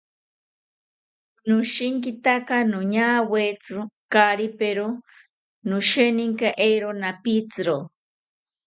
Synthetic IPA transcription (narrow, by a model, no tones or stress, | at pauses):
nuʃiŋkit̪akanuɲawet͡sɨkaɾipeɾo | nuʃeniŋkaʔeɾonapit͡sɨɾo